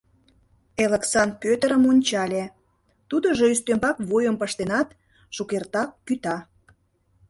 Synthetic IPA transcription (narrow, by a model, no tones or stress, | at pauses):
eleksɑn̚pʲøt̪əɾəmonʲt͡ɕɑlʲe | t̪ud̪ə̆ʒoyst̪ømbɑkβojəmpəʃt̪enɑt̪ | ʃukert̪ɑkːyt̪ɑ